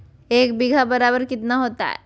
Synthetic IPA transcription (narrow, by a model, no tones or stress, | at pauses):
eːk̚bɪɡʱabɐɾaːbəɾkɪt̪naɦoːt̪a̰ɦɛ̰